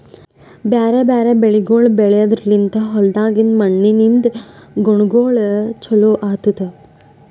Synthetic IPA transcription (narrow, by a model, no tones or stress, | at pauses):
baːɾɐbaːɾɐbeɭiɡoːɭbɛɭɐjɐd̪ɾlint̪ɐɦɔld̪aːɡinmɐɳːinind̪ɡoɳuɡoːɭt͡ʃɔloʔaːt̪ut̪ɐ